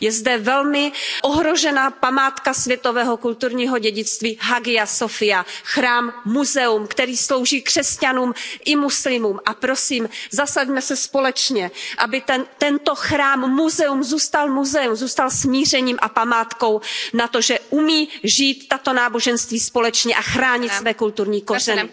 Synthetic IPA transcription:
jɛzdɛvɛlmɪʔoɦɾo̞ʒɛnaːpamaːt̪kasvjɛt̪o̞vɛːɦo̞kult̪uɾɲiːɦo̞ɟɛɟɪt͡st̪viːɦaɡɪasofɪjaxɾaːmːuzɛumkt̪ɛɾiːslowʒiːkr̥ɛscanuːmʔɪmuslɪmuːmʔapɾo̞siːmzasaɟmɛsɛspo̞lɛt͡ʃɲɛʔabɪt̪ɛnt̪ɛnt̪o̞xɾaːmːuzɛumzuːst̪almuzɛumzuːst̪alsmiːr̝ɛɲiːmʔapamaːt̪ko̞wnat̪o̞ʒɛʔumiːʒiːt̪ːat̪o̞naːbo̞ʒɛnst̪viːspo̞lɛt͡ʃɲɛʔaxɾaːɲɪt̪svɛːkult̪uɾɲiːkorɛnɪ

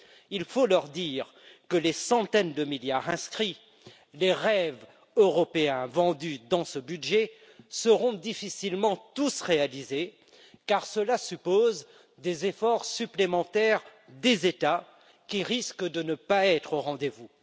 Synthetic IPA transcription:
ilfolœʁd̪iːʁ | kəlesɑ̃t̪ɛnd̪əmiljaʁɛ̃skχi | leʁɛv | øʁɔpeɛ̃vɑ̃d̪yd̪ɑ̃səbydʒɛ | səʁɔ̃d̪ifisilmɑ̃t̪usʁealize | kaʁsəlasypoz | d̪ezefɔʁsyplemɑ̃t̪ɛʁd̪ezet̪a | kʲiʁiskd̪ənəpaɛt̪χoʁɑ̃d̪evu

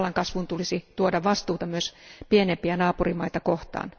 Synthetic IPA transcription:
lːɑŋkɑsʋunt̪ulisit̪uodɑʋɑst̪uːt̪ɑmyøspienempiænɑːpurimɑit̪ɑkoht̪ɑ̰ːn

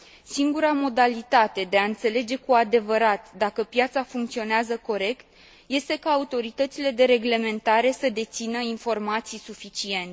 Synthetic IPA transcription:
siŋɡuɾamo̞d̪alit̪at̪e̞d̪e̞aɨnt̪se̞le̞d͡ʒe̞kuad̪e̞vəɾat̪d̪akəpjat̪safuŋk̚t̪sio̞neazəko̞ɾe̞kt̪ | je̞st̪e̞kaːut̪o̞ɾit̪ət̪sile̞d̪e̞ɾe̞ɡle̞me̞nt̪aɾe̞səd̪e̞t̪sinəinfo̞rmat̪sijsufit͡ʃie̞nt̪e

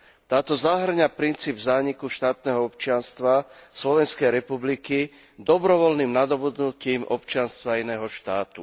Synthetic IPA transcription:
t̪aːt̪ɔzaɦr̩ɲapɾint͡siːbzaːɲikuʃt̪aːt̪nɛɦɔɔpt͡ʃɪanst̪ʋaslɔʋɛnskɛjɾɛpubliki | d̪ɔbɾɔʋɔlnimnad̪ɔbud̪nuciːmʔɔpt͡ʃɪanst̪ʋaːinɛːɦɔʃt̪aːt̪u

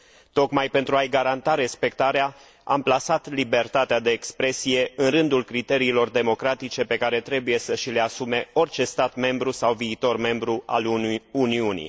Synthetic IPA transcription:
t̪o̞kmajpe̞nt̪ɾuajɡaɾant̪aɾe̞spe̞kt̪aɾea | a̰mplasat̪libe̞rt̪at̪ead̪e̞ːkspɾe̞sije̞ɨnrɨnd̪ulkɾit̪e̞ɾiːlo̞rd̪e̞mo̞kɾat̪it͡ʃe̞pe̞kaɾe̞t̪ɾe̞buje̞səʃile̞asume̞o̞rt͡ʃe̞st̪at̪me̞mbɾusawviːt̪o̞rme̞mbɾuʔa̰luniunḭ

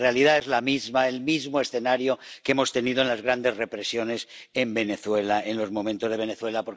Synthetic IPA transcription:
realiðaezlamizmae̞lmizmoe̞sθe̞naɾjokeemo̞st̪e̞niðoenlazɣɾand̪e̞zre̞pɾe̞sjo̞ne̞se̞mbe̞ne̞θwe̞laenlo̞zmo̞mẽnt̪o̞zðee̞neθwe̞lapoɾ

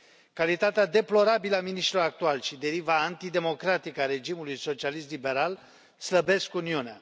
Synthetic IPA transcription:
kalit̪at̪ead̪e̞plo̞ɾabiləaminiʃt̪ɾiloɾak̚t̪ualʃid̪e̞ɾivaːnt̪id̪e̞mo̞kɾat̪ikəaɾe̞d͡ʒimulujso̞t͡ʃialist̪libe̞ɾal | sləbe̞skuniunea

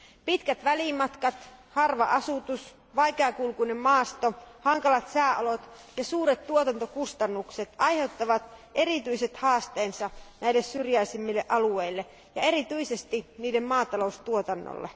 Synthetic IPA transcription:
pit̪kæt̪ʋælimɑt̪kɑt̪hɑrʋɑ̰ʔɑsut̪us | ʋɑjkeɑkulkuinemmɑːst̪ohɑŋkɑlɑt̪sæːʔolot̪ | jɑsuːɾet̪t̪ːuot̪ɑnt̪okust̪ɑnːukset̪ɑjhe̞wt̪ːɑʋɑt̪e̞ɾit̪yiset̪hɑːst̪eːnsɑnæilːessyrjæisimːilːeʔɑlueilːe | jɑeɾit̪yisest̪iniːdemmɑːt̪ɑloust̪uot̪ɑnːo̰lːe

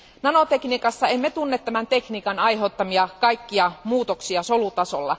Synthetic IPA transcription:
nɑno̞t̪e̞kniːkɑsːɑemːet̪unːet̪ːæmænt̪e̞kniːkɑnɑjɦe̞t̪ːɑmiɑkɑjkːiɑmuːt̪oksiɑso̞lut̪ɑso̞̰lːɑ̰

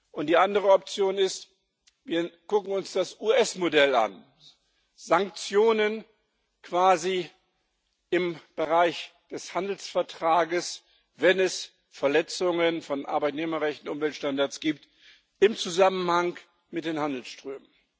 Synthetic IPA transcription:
ʔʊntd̥iːʔandəʁəɔp̚t͡sjoːnɪst | viːɐɡ̥ʊkŋ̩ʊnsd̥asʔuːɛsmodɛlʔa̰n | z̥aŋk̚t͡sjoːnən | kv̥aːzi | ʔɪmb̥əʁaɪçd̥ɛshandl̩sfɛɐtʁ̥aːɡəs | vɛnɛs | fɛɐlɛt͡sʊŋənfɔnʔa̰ɐbaɪtneːmɐʁɛçtn̩ʔʊmvɛltʃtandaɐt͡sɡ̥iːp̚t | ɪmt͡suzamənhaŋ | mɪt̚d̥eːnhandl̩sʃtʁ̥øːmən

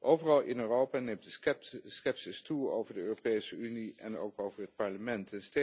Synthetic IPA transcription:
ʔowvərɑlˠʔɪnøːrowpanejmtdəskɛpsɪstuo̰wvəɹdəøːropejsəyniɛno̰wkowvəɹɦət̚pɑɹləmɛntənste

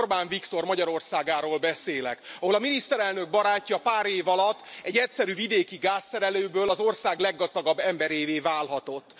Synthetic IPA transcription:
rbaːɱvikt̪o̞rmɒɟɒɾo̞rsaːɡaːɾoːlbɛseːlɛ̰kɒɦo̞lɒminist̪ɛɾɛlnø̞ɡ̚bɒɾaːcːɒpaːɾeːvɒlɒt̪ːɛɟːɛcsɛɾyːvid̪eːkiɡaːsːɛɾɛløːbøːlɒzo̞rsaːɡlɛɡːɒzd̪ɒɡɒbːɛmbɛɾeːveːvaːlɦɒt̪o̞t̪ː

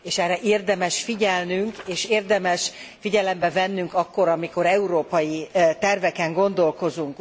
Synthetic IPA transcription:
eːʃɛrɛʔeːrd̪ɛmɛʃfiɟɛlnyŋkeːʃeːrd̪ɛmɛʃfiɟɛlɛmbɛvɛnːyŋkɒkːo̞ɾɒmiko̞ɾɛuɾoːpɒjit̪ɛrvɛkɛŋɡo̞nd̪o̞lko̞zuŋk

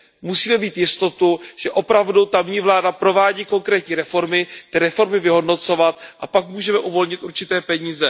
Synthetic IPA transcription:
musiːmɛmiːt̪jɪst̪o̞t̪uʒ̥ɛʔo̞pɾavdut̪amɲiːvlaːdapɾo̞vaːɟiːko̞ŋkɾɛːt̪ɲiːɾɛfo̞ɾmɪt̪ɪɾɛfo̞ɾmɪvɪɦo̞dno̞t͡so̞vat̪̚ʔapakmuːʒɛmɛʔuvo̞lɲɪt̪ʔuɾt͡ʃɪt̪ɛːpɛɲiːzɛ

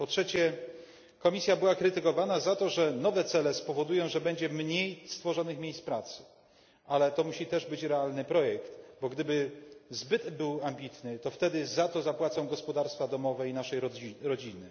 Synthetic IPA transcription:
pɔtʂɛt͡ɕɛ | kɔmʲisʲjabɘwakɾɘt̪ɘkɔvanazat̪ɔʐɛnɔvɛt̪sɛlɛspɔvɔd̪ujɔ̃w̃ʐɛbɛɲd͡ʑɛmɲejst̪fɔʐɔnɘxmʲejspɾat̪sɘ̥ | ʔalɛt̪ɔmuɕit̪ɛʐbɘt͡ɕɾɛalnɘpɾɔjɛkt̪bɔɡd̪ɘbɘzbɘt̪bɘwambʲit̪nɘt̪ɔft̪ɛd̪ɘzat̪ɔzapwat̪sɔ̃w̃ɡɔspɔd̪aɾst̪fad̪ɔmɔvɛinaʂɛjiɾɔd͡ʑinɘ

